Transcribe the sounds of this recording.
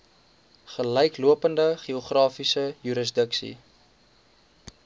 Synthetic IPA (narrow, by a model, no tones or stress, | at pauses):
χələjkluəpəndəχioχrɑːfisəjyɾəs̬dəksḭ